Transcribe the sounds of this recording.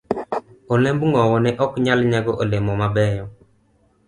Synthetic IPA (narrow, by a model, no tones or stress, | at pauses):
olembŋɔwɔnɛʔɔkɲalɲaɡɔʔolemɔmabɛjɔ